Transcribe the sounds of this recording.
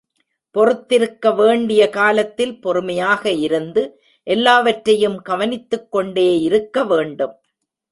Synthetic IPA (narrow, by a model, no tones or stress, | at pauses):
pɔrɯt̪ːɪɾɯkːɐʋeːɳɖɪjɐkaːlɐt̪ːɪlpɔɾɯmɐjaːɣɐɪɾɯnd̪ɯ | ʔɛlːaːʋɐʈɾɐjɯmɡɐʋɐnɪt̪ːɯkːɔɳɖeːɪɾɯkːɐʋeːɳɖɯm